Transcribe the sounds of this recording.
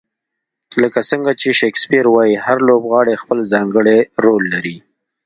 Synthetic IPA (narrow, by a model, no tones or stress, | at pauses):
ləkasəŋɡat͡ʃeʃekspiɾwɑjihaɾlobɣɑɽexpəlzɑŋɡəɽeɾolːaɾi